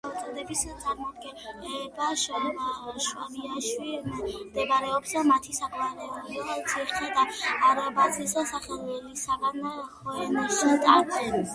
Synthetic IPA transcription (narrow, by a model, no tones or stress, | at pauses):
t̪ʼɛd̪ɛbist̪sʼaɾmɔd̪ɡɛɛbaʃ | ʃwa̰liaʃwimd̪ɛbaɾɛɔpsamat̪ʰisakʰʼmaɾɛuliat̪sʰiχɛd̪aːɾabazisd̪asaχɛlˠwɛlisaɡanχɔɛniʃit̪ʼa̰ɾɡ̪ɛn